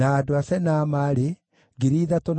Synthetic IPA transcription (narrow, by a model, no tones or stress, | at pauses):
aːdoasɛnaːmaːɾe | ɡeɾiːðatɔn